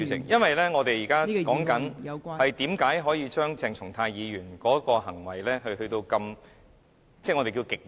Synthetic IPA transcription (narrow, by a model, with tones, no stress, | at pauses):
y˨˧˥ɪ̰˨˩ŋjɐ˥nwɐ˨jlɛ˥ŋɔː˨˧t̪e˨jiː˨˩kaː˥kɔː˨˥ŋkɐ˨˥nhɐ˨jt̪iː˨˥mkaː˨˥jɦɔː˨˥jiː˨˧t͡ʃœː˥ŋt͡sɛː˧ŋt͡sʰʊ˨˩ŋt̪ʰaː˧jjiː˨˧ɥyː˨˩nkɔː˨˥kɔː˧hɐ˨˩ŋwɐ˨˩jlɛː˥hɵ˧ɥhɵ˧ɥt̪o˧wkɐ˧m | t͡sɛ˥˩ŋɔ˨˧t̪e˨ki˧wkɪ˨k̚